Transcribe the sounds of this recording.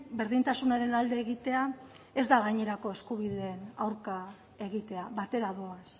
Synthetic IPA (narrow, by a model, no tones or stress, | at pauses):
be̞ɾðint̪asunaɾe̞nald̪e̞ːɣit̪e̞a | e̞zd̪aɣaɲe̞ɾako̞e̞skuβiðe̞ːnawɾka | e̞ɣ̞it̪e̞aβat̪e̞ɾaðoas